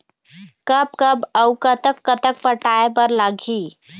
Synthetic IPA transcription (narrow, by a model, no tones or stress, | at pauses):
kəb̚kəbəʊkət̪əkːət̪ək̚pəʈaepəɾlaɡʱi